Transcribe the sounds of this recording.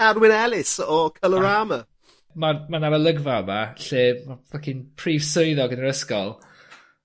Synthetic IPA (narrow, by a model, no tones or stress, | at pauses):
adwɪnɛlˠɪsɔkʰələɹaːmə | mamanaɾəlˠəɡvamaɬeːmavakʰinpʰriːvsoɨðɔɡənəɾəskɔlˠ